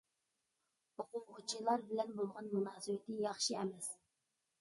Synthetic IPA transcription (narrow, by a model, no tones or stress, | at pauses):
oqʊʁʊt͡ʃʰilˠɑɾbɪlɛnbolˠʁɑnmunɑːsɨwɪt̪ʰɪjɑχʃiɛmɛs